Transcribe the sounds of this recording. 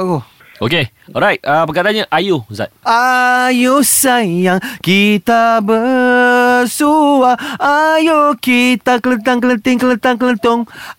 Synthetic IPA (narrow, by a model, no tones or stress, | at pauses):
o | oke | ɔɾajt̚apəkat̪aɲaʔajuza̰t̪̚ajusajaŋkit̪abə | suwaajukit̪akələnt̪aŋkələnt̪ɪŋkələnt̪aŋkələnt̪ʊŋ